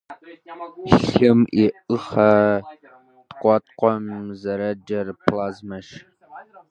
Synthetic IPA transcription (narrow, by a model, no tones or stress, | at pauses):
ɬɪmiʔɨχɐ | tqʷʼɑtqʷɔmzɐɾɐd͡ʒɐrpʰlaːzmɐʃ